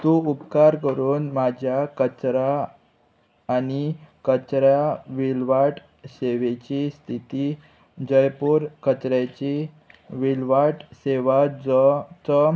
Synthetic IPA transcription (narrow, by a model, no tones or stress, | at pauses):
t̪ũupkaɾkəɾuːnmad͡ʑʱjakət͡ɕɾa | nikət͡ɕɾjaʋilʋaʈ | seʋet͡ɕist̪ʰit̪i | d͡ʑəjpuːɾkət͡ɕɾat͡ɕi | ʋilʋaʈseʋat͡st͡sə